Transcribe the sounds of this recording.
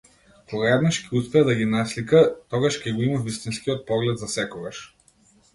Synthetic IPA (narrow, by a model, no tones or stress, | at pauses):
kɔɡaɛd̪naʃkʲɛuspɛad̪aɡʲinaslikat̪ɔɡaʃkʲɛɡɔimavist̪inskiɔt̪̚pɔɡlɛd̪zasɛkɔɡaʃ